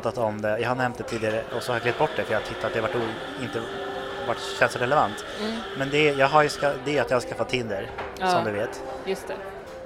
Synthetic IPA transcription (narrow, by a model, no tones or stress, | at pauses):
t̪at̪ɔmd̪ɛjɑːhaɳɛmt̪̚d̪ɛt̪ʰiːd̪ɪaɾəɔsɔhaɾakleɛt̪bɔʈːd̪ɛfœɾjɑɡt̪ʰɪt̪ʰːat̪̚d̪ɛhavaʈːuː | ɪnt̪ə | vaʈːɕɛnsɔɾɛləvant̪ | mɛnd̪ɛjɑːɡɦaɾjɵskad̪ɛat̪jɑːhaskafat̪ʰːɪnd̪əɾ | sɔmmd̪ɵveːt̪ | jɵst̪ɛ